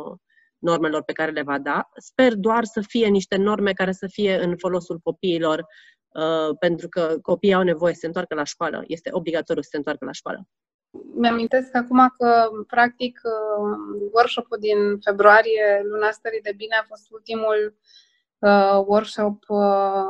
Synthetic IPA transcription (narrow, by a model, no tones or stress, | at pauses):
no̞rme̞lo̞rpe̞kaɾe̞le̞vad̪aspe̞rd̪oarsəfije̞niʃt̪e̞no̞rme̞kaɾe̞səfije̞ɨnfo̞lo̞sulko̞piːlo̞r | əpe̞nt̪ɾukəko̞piːawne̞vo̞je̞səseɨnt̪oarkəlaʃkoalə̰je̞st̪e̞ʔo̞bliɡat̪o̞ɾjusəse̞nt̪warkəla̰ʃkoa̰lə̰ | meamint̪e̞skakumakəpɾak̚t̪ikəwərkʃopuld̪infe̞bɾuaɾije̞lunast̪əɾid̪e̞bineafo̞st̪ult̪imul | əwərkʃopə